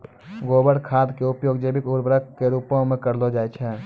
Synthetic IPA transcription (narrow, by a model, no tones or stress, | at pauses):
ɡoːbəɽkʰaːd̪keʊpjoːɡd͡ʒeːbɪkʊɾbɾəkkeɾuːpõmẽkəɾlod͡ʒaːet͡ʃʰɛː